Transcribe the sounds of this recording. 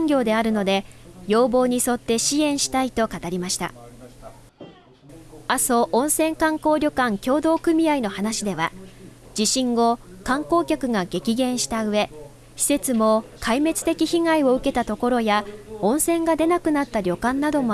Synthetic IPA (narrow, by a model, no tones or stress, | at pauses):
ŋɡʲo̞ːd̪e̞aɾɯ̟no̞d̪e̞jo̞ːbo̞ːɲ̟iso̞t̪ːe̞ɕiẽ̞ɰ̃ɕi̥t̪ait̪o̞kat̪aɾʲimaɕi̥t̪a̰ | aso̞ʔõɰ̃sẽ̞ŋkãŋko̞ːɾʲo̞kãŋkʲo̞ːd̪o̞ːkɯ̟mʲiaino̞hanaɕid̪e̞βa̰ | d͡ʑiɕĩŋɡo̞kãŋko̞ːkʲakɯ̟ɡaɡe̞kʲiɡẽ̞ɰ̃ɕi̥t̪aɯ̟e̞ | çʲi̥se̞t͡sɨmo̞kʰaime̞t͡sɨ̥t̪e̞kʲiçiŋaio̞ɯ̟ke̞t̪at̪o̞ko̞ɾo̞jaõ̞ɰ̃sẽ̞ŋɡad̪e̞nakɯ̟nat̪ːaɾʲo̞kãnːad̪o̞m